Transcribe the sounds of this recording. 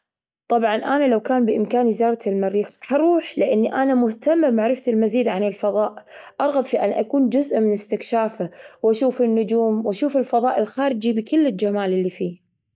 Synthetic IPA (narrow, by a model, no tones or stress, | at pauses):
t̪ˤɑbʕɑnʔanalawkaːnbɪʔɪmkaːnizɑːɾˤt̪ɪlmaɾːiːxhɑɾˤuːħlɪʔɪnːiʔanamʊht̪amːamaʕɾɪfat̪ɪlmaziːd̪ʕanɪlfɑðˤɑːʔʔɑɾˤɣɑb̪ˤfiʔanʔakuːnd͡ʒʊzʔmɪnɪst̪ɪkʃaːfawʔaʃuːfɪnːʊd͡ʒuːmwaʃuːfɪlfɑðˤɑːʔɪlxaːɾɪd͡ʒibɪkɪlːɪld͡ʒamaːlɪlːifiː